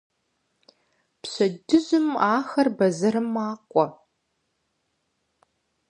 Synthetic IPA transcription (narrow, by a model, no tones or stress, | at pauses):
pɕɐdɨzɨmaːxɐrbɐzɐɾɨmaːqʷʼɔ